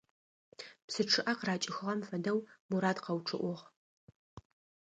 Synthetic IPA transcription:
psɨʈ͡ʂʰɨʔɐqraːt͡ʃʼɪxɨʁɐmfɐdɐwmuɾaːdqɐwʈ͡ʂʰɨʔʷʊʁ

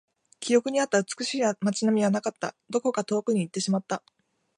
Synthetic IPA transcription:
kʲijo̞kɯ̟ɲ̟iat̪ːaɯt͡sɨ̥kɯ̟ɕiːmat͡ɕinamʲiβanakat̪ːa̰d̪o̞ko̞kat̪o̞ːkɯ̟ɲ̟iːt̪ːe̞ɕimat̪ːa

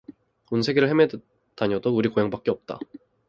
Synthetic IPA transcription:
unsʰe̞ɡeɾɯɭheme | taɲʌdouɾikojaŋbak͈eʌp̚t͈a̰

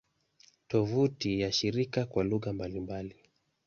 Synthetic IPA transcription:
tɔvutijaʃiɾikakwaluɣambalimbali

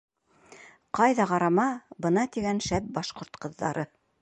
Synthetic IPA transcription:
qɑjðɑqɑɾɑmɑbɤ̆nɑt̪iɡænʃæp̚bɑʃqŏɾt̪qɤ̆ðːɑ̰ɾɤ

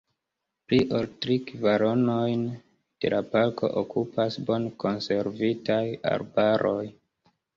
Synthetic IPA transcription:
pliʔoltɾikivaɾo̞no̞jn | d̥e̞̰lapalkʰo̞̰ʔokupʰasbo̞nko̞nse̞ɾvitaja̰ɾbaɾʔo̞j

